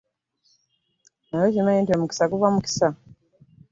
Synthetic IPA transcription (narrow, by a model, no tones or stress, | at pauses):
najozimajintwemuki̥sakuvamuki̥sa